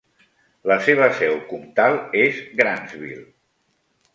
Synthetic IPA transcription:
ləseβ̞əsɛwkumt̪alˠezɡɾanzβḭlˠ

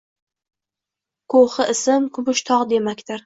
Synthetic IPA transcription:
kʰoχɨʔɪsɪmkʰʊbʊʃt̪ʰɒqd̪e̞makʲt̪ɪɾ

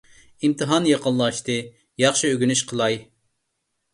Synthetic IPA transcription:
imt̪ʰɨɦɑnjɑqənˠlˠɑʃt̪ɨ | jɑχʃiøɡʲynyʃqʰəlˠɑj

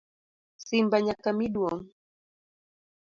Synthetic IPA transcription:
simbaɲakamiɗwɔŋ

